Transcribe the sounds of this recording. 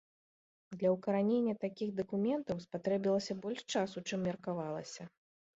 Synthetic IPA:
d̪lʲɐwkɐɾanʲenʲːɐt̪akʲixd̪ɐkumʲɛnt̪ɐwspat̪ɾɛbʲilˠɐsʲɐbɔlʲʂt͡ʂasut͡ʂɨmːʲɐrkavalˠɐsʲɐ

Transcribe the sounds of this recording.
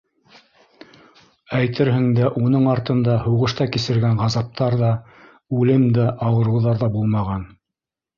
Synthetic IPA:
æjt̪ɘɾɦɘ̆ŋd̪æʔunɤɴɑɾt̪ɤ̆nd̪ɑhuʁɤ̆ʃt̪ɑkisɘ̆ɾɡæɴʁɑzɑp̚t̪ɑɾðɑ | ʉlɘmd̪æʔɑwɤ̆ɾŭwðɑɾðɑbulˠmɑʁɑn

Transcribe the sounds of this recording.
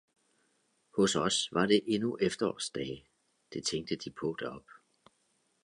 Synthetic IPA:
hɔ̽sɒsʋɑ̈ɾe̝ʔe̝nuʔefd̥ɐɒ̰ːsd̥ɛː | d̥e̝t͡sʰeŋɡ̥̚d̥əd̥ipʰɔ̽ːd̥ɒ̽b̥

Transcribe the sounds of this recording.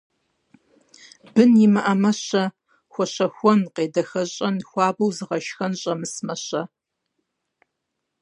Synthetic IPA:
bɨnjɪmɨʔɐmɐɕɐ | xʷɔɕɐxʷɔnqeːdɐxɐɕʼɐnxʷɑːbɐwzɨʁɐʃxɐnɕʼɐmɨsmɐɕɐ

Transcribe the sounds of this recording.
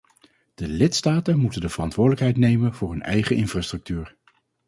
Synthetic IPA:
d̥əlɪtstaːtənmutəndəvərɑntʋʊːɹdələkɦɛjtnejmənvʊːɹɦɵnɛ̰jχəʔɪnfraːstrɵk̚tyːɹ

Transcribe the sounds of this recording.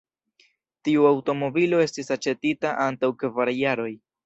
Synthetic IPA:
tiuawto̞mo̞bilo̞e̞stisat͡ʃe̞titaʔantawkvaɾajaɾo̞j

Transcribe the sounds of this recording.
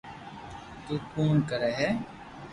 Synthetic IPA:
t̪uːkuːnkəɾɛːɦɛː

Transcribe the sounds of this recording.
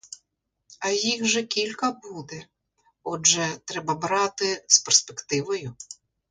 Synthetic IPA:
ɐjixʒɛkʲilʲkɐbud̪ɛ | ɔd͡ʒɛt̪ɾɛbɐbɾɑt̪ɪsperspekt̪ɪʋɔjʊ

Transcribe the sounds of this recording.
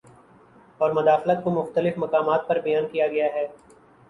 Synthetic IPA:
ɔːɾmɐd̪aːxlət̪̚komʊxt̪əlɪfmɐkaːmaːt̪̚pɐɾbɐjaːnkijaɡɐjaɦɛː

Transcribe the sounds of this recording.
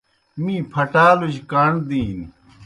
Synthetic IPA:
mĩːpʰɐʈaːluɕkaːɳd̪iːn

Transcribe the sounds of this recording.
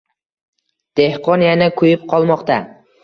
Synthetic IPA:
d̪̥ehqʰɒnjanakʰʊjɪp̚qʰɒlˠmɒqt̪ʰa

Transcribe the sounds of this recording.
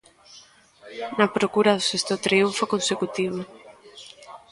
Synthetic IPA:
nɐpɾokuɾaðosest̪ot̪ɾiuɱfokonsekut̪iβ̞o

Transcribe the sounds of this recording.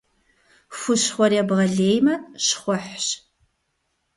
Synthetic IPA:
fʷʊɕχʷɔrjɛbʁɐɮeːjmɐʃχʷɔħɕ

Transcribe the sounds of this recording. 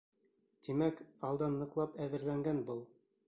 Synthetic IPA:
t̪imækɑlˠd̪ɑnːɤ̆qlˠɑpæðɘ̆ɾlæŋɡænbɤlˠ

